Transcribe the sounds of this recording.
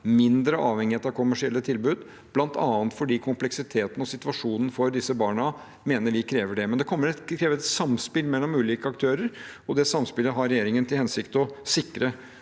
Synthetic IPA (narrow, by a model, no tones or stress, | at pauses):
mɪnd̪ɾəʔɑːʋhɛŋːɪheːt̪ɑʋkʰʊmæʂɪɛlːət̪ʰɪlbʉːd̪ | b̥lɑnt̪ɑːənt̪fɔɖiːkʰʊmplɛksɪt̪ʰeːt̪n̩ɔsɪt̪ʋɑʂuːnən̩fɔɾd̪ɪsəbɑːɳə | meːnəɾʋɪkʰɾeːʋəɖɛmɛnd̪ɛkʰɔmːəɾɛt̪ʰɾeːʋəɛt̪sɑmspɪlmɛlːɔmʉːliːkəɑk̚t̪ʰøːɾəɾɔd̪ɛsɑmspɪlːəɦɑɾɛjeːɾɪŋənt̪ʰɪlhɛnsɪkt̪ɔsɪkːɾə